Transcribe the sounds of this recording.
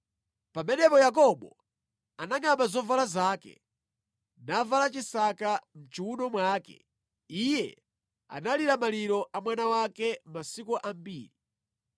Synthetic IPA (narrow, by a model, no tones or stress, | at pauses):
pamɛnɛpɔjak̬ɔɓɔ | anaŋɡambazɔvalazaːkɛ̰ | navalat͡ʃisakam̩t͡ʃiunɔmwaːkɛ̰ | ijɛ̰ | a̰naliɾamaliɾɔʔamwanawakɛmasikuʔambiːɾi